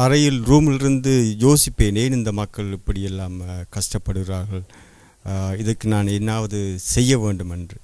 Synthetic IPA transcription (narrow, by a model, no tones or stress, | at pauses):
ɐɾɐjɪlɾuːmɪlɪɾɯnd̪ɯjoːsɪpːeːneːnɪnd̪ɐmɐkːɐɭɪpːɐɽɪjɛlːaːmkɐʂʈɐpːɐɽɯɣɪɾaːɾɣɐɭ | ɪðɐkːɯnaːnɛnːaːʋɐðɯsɛjːɐʋeːɳɖɯmɛndrɯ